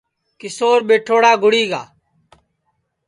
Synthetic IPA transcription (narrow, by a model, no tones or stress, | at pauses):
kɪsoːɾɓeːʈʰoːɽaːɡʱʊɽiːɡa̰ː